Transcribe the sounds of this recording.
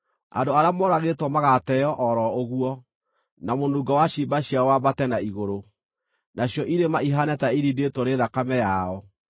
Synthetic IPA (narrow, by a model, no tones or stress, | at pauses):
a̰ndoaɾeamɔɾaɣetwɔmaɣatɛjɔʔɔɾɔoɣuɔ | namonduːɡawaɕibaɕjaɔwabatɛnaiɣoɾo | naɕjɔʔiɾemaiɦanɛtaiɾidetwɔneðakamɛjaɔ